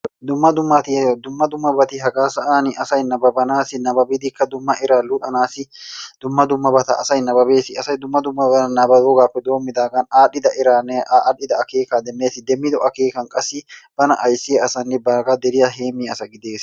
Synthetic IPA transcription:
d̪ʊmːɐd̪ʊmːɐt̪ɪd̪ʊmːɐd̪ʊmːɐbɐt̪ɪɦɐɡaːsɐʔaːnɪʔɐsɐjnɐbɐbɐnaːsɪnɐbɐbɪd̪ɪkːɐd̪ʊmːɐʔɪɾaːlʊt̪ʼɐnaːsɪd̪̥ʊmːɐd̪ʊmːɐbɐt̪ɐ̰ʔɐsɐjnɐbɐbeːsɪɐsɐjd̪ʊmːɐd̪ʊmːɐbɐnɐbɐd̪oɡaːfɛd̪o̞ːmːɪd̪aːɡɐnaːᶑɪd̪ɐɪɾaːnːᶑɪd̪ɐɐkeːkad̪ɛnːeːsɪd̪ɛmːɪd̪ɔʔɐkeːkɐŋkʼɐsɪb̥ɐnɐʔɐjsɪɐsɐnːɪbaːɡad̪ɛɾɪjɐɦeːmiːɐsɐɡɪd̪e̞ːs

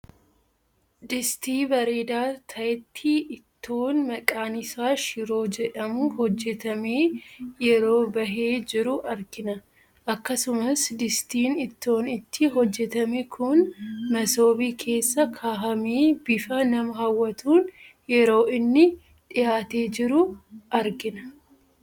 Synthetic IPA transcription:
d̪ɪst̪iːbɐɾeːd̪aːt̪ʰɐjt̪ʰːiːʔɪt̪ʰːoːnmɐkʼaːnɪsaːʃɪɾo̞ːd͡ʒɛᶑɐmʊhɔd͡ʒːɛt̪ɐme̞ːjɛɾo̞ːbɐɦe̞ːd͡ʒɪɾʊʔɐɾkɪnɐ | ʔɐkːɐsʊmɐsd̪ɪst̪iːnɪt̪ːo̞ːnɪt̪ʰːɪɦɔd͡ʒːɛt̪ɐmɛkʰʊnmɐso̞ːbiːkʰe̞ːsːɐkʰaːɦɐmeːbɪfɐnɐmɐhɐwːɐt̪uːn | jɛɾo̞ːɪnːɪ | ᶑɪjaːt̪eːd͡ʒɪɾʊʔɐɾɡɪnɐ

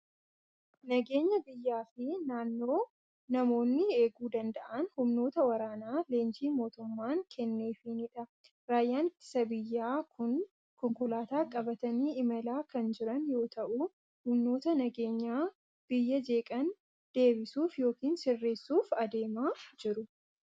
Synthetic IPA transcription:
nɐɡe̞ːɲːɐbɪjːaːfɪnaːnːo̞ː | nɐmo̞ːnːɪeːɡuːd̪ɐnd̪ɐʔɐnhʊmno̞ːt̪ɐwɐɾaːnaːle̞ːnd͡ʒiːmo̞ːt̪ʊmːaːŋkʰɛnːeːfinɪᶑɐ | ɾaːjːaːnɪt̪ːɪ̥sɐbɪjːaːkʊn | kɔŋkʊlaːt̪aːkʼɐbɐt̪ɐniːɪmɐlaːkɐnd͡ʒɪɾɐnjo̞ːt̪ɐʔu | hʊmno̞ːt̪ɐnɐɡe̞ːɲːaː | b̥ɪjːɐd͡ʒe̞ːkʼɐn | d̪̥e̞ːbɪsuːfjo̞ːkiːnsɪrːe̞ːsːuːfɐd̪eːmaːd͡ʒɪɾʊ

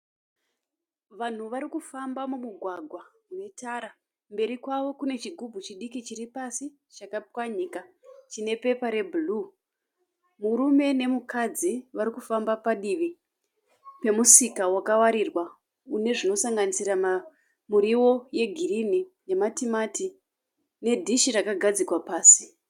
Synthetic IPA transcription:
ʋan̤uʋaɾikufambamumuɡʱwaɡʱwa | unetaɾa | mbe̞ɾikwaʋo̞kune̞t͡ʃiɡʱubʱut͡ʃiɗikit͡ʃiripasi | t͡ʃakapkwaɲiːkat͡ʃine̞pe̞paɾe̞bʱulu | muɾume̞ne̞mukʰad͡ziʋaɾikufambapaɗiʋi | pe̞musikawakawaɾirwa | une̞ʐino̞saŋɡanisirama | muɾiwo̞je̞ɡʱirinine̞matimati | ne̞dʱiʃirakaɡʱad͡zikwapaːsi̥

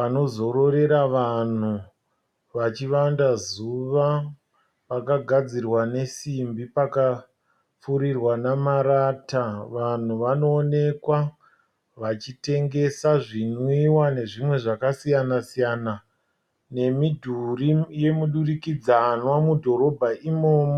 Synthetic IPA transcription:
pano̞zo̞ɾo̞ɾe̞ɾaʋan̤u | ʋat͡ʃiʋandazuʋa | pakaɡʱad͡zirwane̞simbipaka | fuɾirwanamaɾataʋan̤uʋano̞ːne̞kwa | ʋat͡ʃite̞ŋɡe̞saʐinuiwane̞ʐimwe̞ʐakasijanasijana | ne̞midʱurije̞muɗurikid͡zanwamudʱo̞ɾo̞bʱaʔimoːmo

